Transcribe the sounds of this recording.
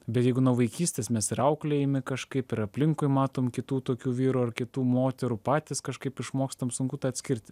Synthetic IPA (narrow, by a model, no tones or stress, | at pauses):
bʲɛt̪jɛɪɡʊnuːʋɐɪkʲiːsʲt̪ʲeːsmʲɛsɪɾɐʊklʲeɛɪmʲɪkɐʃkɐɪpɪɾɐpʲlʲɪŋkʊɪmɑːt̪oːmkʲɪt̪uːt̪oːkʲuːʋʲiːɾuɐrkʲɪt̪uːmoːt̪ʲɛɾupɑːt̪ʲɪskɐʃkɐɪpɪʃmoːkst̪ɐmsʊŋkuːt̪ɑːɐt̪sʲkʲɪɾʲt̪ʲɪ